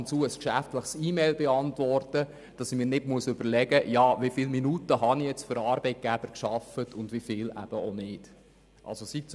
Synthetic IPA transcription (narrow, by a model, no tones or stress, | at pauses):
nt͡suːəskʃæftləχsiːmɛɪlbeɑntʋɔrtə | d̥ɑsimɪːɾnɪdmuəsʏb̥əɾlɛɡəjɑːʋifiːlminutəɦɑnijɛt͡stføɾɑːɾbɛɪt̚ɡ̥æb̥əɾkʃɑfətʰʊndʋifɪːlæ̰b̥əonɪd̥ | ʔɑ̰lsositt͡s